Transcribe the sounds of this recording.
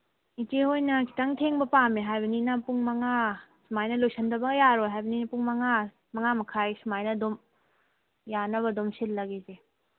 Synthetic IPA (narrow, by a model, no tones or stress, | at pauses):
itehojnɐki̥taŋtʰeŋbɐpameɦajbɐninɐpuŋmɐŋasmajnɐlojsɐndɐbɐɡɐjaɾoɦajbɐninɐpuŋmɐŋa | mɐŋamɐkʰajsimajnɐdom | janɐβɐdumsillɐɡeze